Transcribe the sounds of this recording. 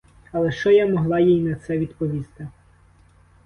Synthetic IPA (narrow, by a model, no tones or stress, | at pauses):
ɐlˠɛʃt͡ʃɔjamɔɦlˠɑjijnɐt̪sɛʋʲid̪pɔʋʲist̪ɪ